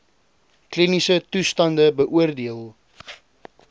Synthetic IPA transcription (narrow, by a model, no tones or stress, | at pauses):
klinisətustɐndəbəʔuərdiəlˠ